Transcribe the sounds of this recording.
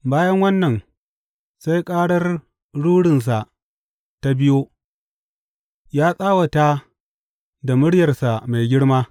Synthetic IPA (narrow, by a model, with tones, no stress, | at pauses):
baː˦jɐ˦ŋwɐ˦nːɐ˨n | sa˦jkʼaː˦ɽɐ˦r | ɽuː˦ɽɪ˨ns̬a˨ʔ | ta˦bɪ˦joː˦ | jaː˦sʼaː˦wɐ˨ta˦ | da˨mʊ˦ɽjɐ˨rsa˨ma˨jɡʲɪ˦ɽmaː˦